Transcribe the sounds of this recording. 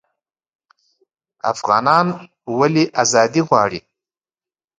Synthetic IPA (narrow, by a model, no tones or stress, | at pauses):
a̰fʁɑ̰ːnɑːn | waliʔazɑːd̪iʁʷɑːɽḭ